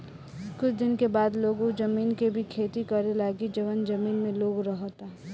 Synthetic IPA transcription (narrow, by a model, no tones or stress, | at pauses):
kʊt͡ʃʰd̪ɪnkebaːd̪loːɡõd͡ʒəmiːnkebʱikʰeːt̪ikəɾelaːɡid͡ʒəʋənd͡ʒɐmiːnmẽloːɡɾəɦot̪a